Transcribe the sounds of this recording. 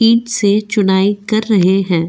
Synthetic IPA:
ĩːʈset͡ʃʊnaːikɐɾːɐɦeɦɛ̃ː

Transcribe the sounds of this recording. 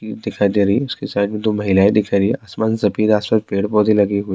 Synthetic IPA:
iːd̪ɪkʰad̪eɾɐɦiʊskesaɪd̪mẽd̪omɐɦɪlaːid̪ɪkʰaɾɐɦiiʔasmaːnsɐpiːɾaːspɐt̪̚peːɽpɔːd̪ʱilɐɡeɦuiː

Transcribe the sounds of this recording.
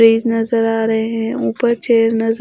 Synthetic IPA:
ɾiːznɐzəɾaːɾɐɦeɦɛ̃ːuːpəɾt͡ʃeːɾnɐz

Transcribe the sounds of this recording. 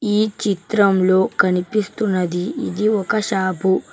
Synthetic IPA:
iːt͡ʃit̪ɾɐmloːkɐnipist̪unɐd̪iḭd̪iokɐɕaːbʱu

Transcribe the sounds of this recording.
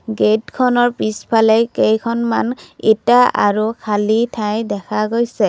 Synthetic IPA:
ɡetkʰɔnɔɹpispʰalɛkejkʰɔnmanetaʔa̰ɹukʰalitʰajdɛkʰaɡojsɛ

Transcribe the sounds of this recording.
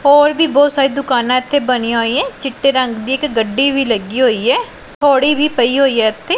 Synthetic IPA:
ɔːɾbʱiːbɔːt̪saːɾiːd̪ʊkaːnãːɪt̪ʰːeːbənĩãɦoːiːɛ̃ːt͡ʃɪʈːeːɾə̃ŋɡd̪iːɪkɡəɖːiːʋiːləɡiːɦoːiːɛː | t̪ʰoːɽiːbʱiːpəiːɦoːiːɛːɪt̪ʰːeː

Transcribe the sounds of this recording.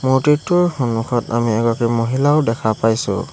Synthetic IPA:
mʊɹtitːʊɹhunʊkʰɔtamiɛɡɔakimoɦilaʊdɛkʰapajsʊ̰

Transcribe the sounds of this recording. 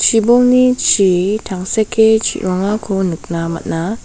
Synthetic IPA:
t͡ʃʰibɔŋnit͡ʃʰitʰaŋsekʰːet͡ʃʰḭʔɾɔŋakʰɔnɯk̚namɐ̰t̚na

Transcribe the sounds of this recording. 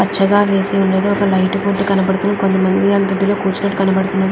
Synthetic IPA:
ɐt͡ʃːɐɡaːʋe̞ːsiunːeːd̪uɔkɐlɐjʈpuʈːukɐnɐbɐɽut̪unɐkont̪ɐmɐnd̪iɐŋɡɐɖːilo̞ːkuːt͡ʃinɐʈːukɐnɐbɐɽut̪unːaɾu

